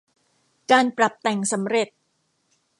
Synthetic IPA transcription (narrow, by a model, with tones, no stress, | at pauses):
kaː˧npɾa˨˩p̚t̪ɛ˨˩ŋsa˩˦mɾe˨˩t̪̚